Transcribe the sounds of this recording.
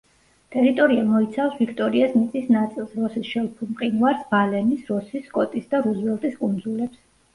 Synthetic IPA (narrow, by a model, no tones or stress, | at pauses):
t̪ʼɛɾit̪ʼɔɾiamɔit̪sʰafsvikʰt̪ʼɔɾiasnit̪sʼisnat̪sʼilˠsɾɔsisʃɛlˠpʰumqʼinvaɾsbalɛnisɾɔsisːkʼɔt̪ʼisd̪aɾuzvɛlˠt̪ʼiskʼund̪zulɛps